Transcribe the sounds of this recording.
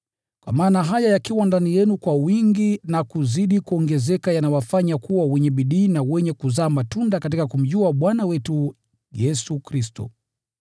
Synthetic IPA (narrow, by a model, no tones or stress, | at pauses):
kwa̰maːnaɦajajakiwandanijɛnukwawiŋɡinakuziɗikuɔŋɡɛzɛkajanawafaɲakuwawɛɲɛɓiɗiːnawɛɲɛkuzaːmatundakat̬ikakum̩ʄuaɓwanawɛtu | jɛsukɾistɔ̰